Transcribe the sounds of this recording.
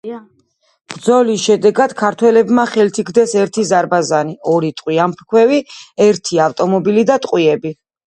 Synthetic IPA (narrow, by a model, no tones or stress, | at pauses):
b̥ɾd̪zɔlisʃɛd̪ɛɡad̪̥kʰaɾt̪ʰwɛlɛbmaχɛlt̪ʰikʰd̪ɛsɛɾt̪ʰizaɾbazaniɔɾit̪ʼqʼwiampʰkʰwɛviɛɾt̪ʰiaft̪ʼɔmɔbilid̪at̪ʼqʼwiɛbi